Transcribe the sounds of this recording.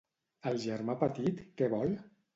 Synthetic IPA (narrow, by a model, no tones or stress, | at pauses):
əlˠʒəɾmapət̪it̪kɛβɔl